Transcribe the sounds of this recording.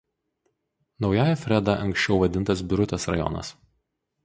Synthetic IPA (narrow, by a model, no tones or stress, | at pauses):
nɒʊjæːjɛfʲɾʲɛd̪ɐʔɐŋksʲt͡ʃʲɛʊʋɐd̪ʲɪnt̪ɐs̬bʲʊɾʊt̪ʲesɾɐ̰jɔ̰nɐ̰s